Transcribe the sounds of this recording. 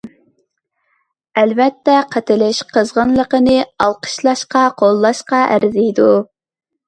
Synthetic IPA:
ɛlvɛt̪ːɛqʰæt̪ɪlɪʃqʰəzʁənlˠəqənɨɑlˠqʰə̥ʃlˠɑʃqɑqʰolˠːɑʃqɑʔæ̰ɾzijd̪u

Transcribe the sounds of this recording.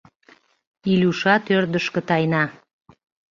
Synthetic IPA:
ilʲuʃɑt̪ørd̪əʃkə̆t̪ɑjnɑ

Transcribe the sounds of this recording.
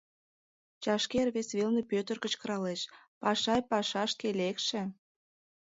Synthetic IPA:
t͡ɕɑʃkerβesβelnepøt̪ərkə̆t͡ɕkɤ̆ɾɑleʃ | pɑʃɑjpɑʃɑʃkelekʃĕ

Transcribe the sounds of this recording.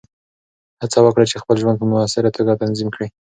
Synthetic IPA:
hat͡sawəkɽat͡ʃexpəlʒwand̪̚pəmʊasɪɾat̪oɡat̪anzimkɽi

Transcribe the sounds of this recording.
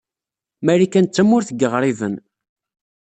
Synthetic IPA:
mæɾikænt͡sːæmːʊɾθəɡəʁɾˤivən

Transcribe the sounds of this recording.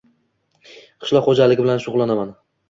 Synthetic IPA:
qʰɨ̥ʃlɒχod͡ʒalɪɡʲɪbɪlanʃʊʁlˠanaman

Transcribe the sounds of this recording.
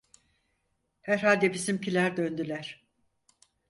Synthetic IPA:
hæɾɦalʲd̪ebisimcilʲæɾd̪ø̞nd̪ylʲæɾ̥

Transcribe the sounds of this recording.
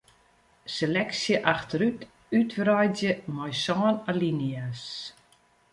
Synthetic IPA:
selɛksjəʔaxtəɾyt | ytfrɔjdjəmɔjsɔːnalinias

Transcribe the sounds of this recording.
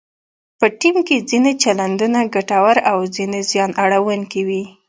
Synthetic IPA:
pəʈimked͡zinet͡ʃaland̪unaɡaʈawaɾawzinezjɑnʔaɽawʊŋkiwi

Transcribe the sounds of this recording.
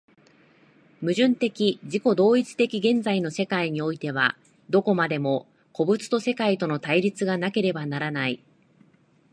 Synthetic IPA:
mɯ̟ʑɨ̃nt̪e̞kʲiʑiko̞d̪o̞ːit͡si̥t̪e̞kʲiɡẽ̞nd͡zaino̞se̞kaiɲ̟io̞it̪e̞β̞a̰ | d̪o̞ko̞mad̪e̞mo̞ | ko̞bɯ̟t͡sɨ̥t̪o̞se̞kait̪o̞no̞t̪aiɾʲit͡sɨɡanake̞ɾe̞banaɾanai

